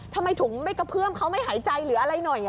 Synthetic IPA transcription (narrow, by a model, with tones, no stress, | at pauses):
t̪ʰa˧mːa˧jt̪ʰu˩˦ŋma˥˩jka˧˩pʰɯ˥˩əmkʰa˦˥wma˥˩jɦaː˩˦jt͡ɕa˧jɾɯː˩˦ʔa˧ɾa˧jnɔ˨˩jʔ